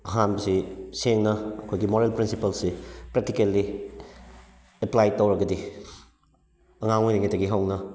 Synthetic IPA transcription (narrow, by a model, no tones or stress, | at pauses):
ɐɦanbɐsiseŋnɐːkʰojɡimoɾelpɾinsipɐlsipɾek̚tikelːi | eplajtowɾɐɡɐdi | ɐŋaŋojniŋɐtʰɐɡiɦawnɐ